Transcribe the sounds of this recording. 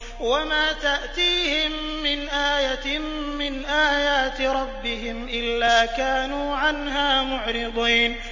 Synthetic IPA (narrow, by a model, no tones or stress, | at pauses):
wamaːt̪aʔt̪iːhɪmːɪnʔaːjaː | ɪnʔaːjaːt̪ɾˤɑbːɪhɪmʔɪlːaːkaːnuːʕanɦaːmʊʕɾɪd̪ˤiːn